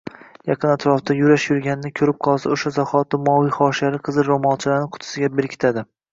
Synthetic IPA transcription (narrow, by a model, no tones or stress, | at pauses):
jɑqʰɨnat̪ʰɾɒft̪ʰajʊɾaʃjʊɾɡʲanɪnɪkʲʰɵɾɪp̚qʰɒlˠsaoʃazɒhɒt̪ɪmɒwijχɒʃaɾɪqʰɨzɪɾomɒlt͡ʃʰɪlaɾnɪqʰʊ̥t̪ʰɪ̥sɪɡʲabeɾkʲʰɪ̥t̪ʰad̪ɪ